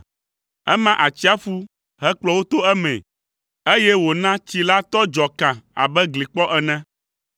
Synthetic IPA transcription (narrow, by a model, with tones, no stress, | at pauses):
ɛ̰˦mã˦ʔa˨t͡ɕi˦a˦fu˦ | ɦɛ˦k͡plɔ˦wo˦t̪o˦ɛ˦mɛ̰̃˨ | e˦jɛ˦wo˨nã˦t͡ɕi˦la˦t̪ɔ˦d͡ʒɔ˨kã˨a̰˨bɛ˦ɡli˨k͡pɔ˦ʔɛ˨nɛ̃˦